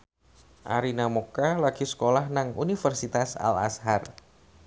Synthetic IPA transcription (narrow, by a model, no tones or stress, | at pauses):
ʔa̰ɾinamokalaɡ̥isə̥kolahnaŋunifərsit̪asa̰la̰shar